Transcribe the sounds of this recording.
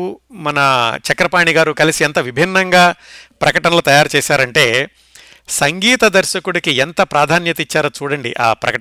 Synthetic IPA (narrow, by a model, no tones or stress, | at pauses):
mɐnɐt͡ʃɐkɾɐpaːɳiɡaːɾukɐlisiɐnt̪ɐʋibʱinːɐŋɡaːpɾɐkɐʈɐnɐlut̪ɐjaːɾut͡ʃɛːsaːɾɐɳʈe̞ː | sɐŋɡiːt̪ɐd̪ɐɾʃɐkuɽikient̪ɐpɾaːd̪ʱaːnjɐt̪ɐit͡ʃːaːɾɐːt͡ʃuːɽɐɳɖḭʔa̰ːpɾɐ̰kɐ